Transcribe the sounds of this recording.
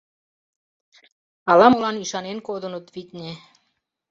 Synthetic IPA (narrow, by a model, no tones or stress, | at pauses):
ɑlɑmolɑniʃɑnenkod̪ənət̪βit̪ʲnʲe